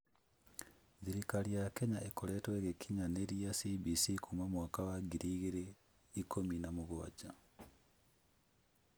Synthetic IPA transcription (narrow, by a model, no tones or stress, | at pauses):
ðiɾikaɾijakɛɲaekoɾɛtweɣekʰiɲaneɾiasibisikumamwaːkawaɡiɾiɣeɾe | ikominamoɣwa̰d͡ʒa